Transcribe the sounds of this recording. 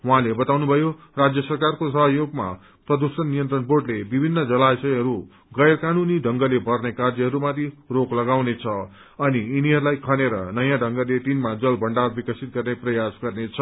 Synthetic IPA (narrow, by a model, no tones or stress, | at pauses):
wuɦãlebʌt̪awnubʱʌjo | rad͡zjʌsʌrkarkosʌɦʌjoɡma̰ | prʌd̪usʌnːijʌnt̪rʌnborɖlebibʱinːʌd͡zʌlajsʌjɦʌɾu | ɡʌjrkanuniɖʱʌŋɡʌlebʌrnekard͡zʌɦʌɾumat̪ʰiroklʌɡawnet͡sʰʌ | ʌniːniɦʌɾulajkʰʌneɾʌnʌjãɖʱʌŋɡʌlet̪inmad͡zʌlbʱʌɳɖarbikʌsit̪̚ɡʌrneprʌjasɡʌrnet͡sʰʌ